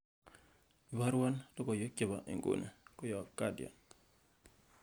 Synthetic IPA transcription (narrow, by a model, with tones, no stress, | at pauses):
ba˦ɾwa˦ndo˦kɔ˨jo˦ke˨βa˨ʔḛ˨ŋɡo̰˨nḛ˨kɔ˦jɔ˨kːa˦dja̰˨n